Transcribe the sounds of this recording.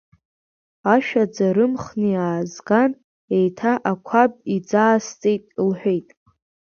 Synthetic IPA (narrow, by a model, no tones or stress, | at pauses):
aʃᶣad͡zaɾɨmχnijaːzɡan | ejtʰaʔakʷʰab̚id͡zaːst͡sʼejtʼilħʷᶣejtʼ